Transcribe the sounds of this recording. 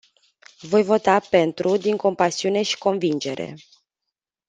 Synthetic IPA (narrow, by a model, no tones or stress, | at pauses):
vo̞jvo̞t̪ape̞nt̪ɾud̪iŋko̞mpasiune̞ʃi̥ko̞nvind͡ʒe̞ɾʔe̞̰